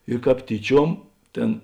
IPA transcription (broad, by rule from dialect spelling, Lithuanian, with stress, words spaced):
ɪr ˈkɑːp ˈtʲiːˌt͡ʃʲuɔm ˈtʲeːn